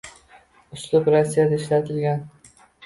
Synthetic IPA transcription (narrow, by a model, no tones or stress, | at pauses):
ʊslˠʊpɾasːijad̪aɪʃlat̪ʰɪlɡʲan